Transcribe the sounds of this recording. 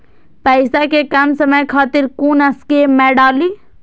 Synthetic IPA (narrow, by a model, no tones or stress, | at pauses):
pɐjsakekɐmsɐməjkʰaːt̪ɪɾkuːnɐskemɛːɖaːliː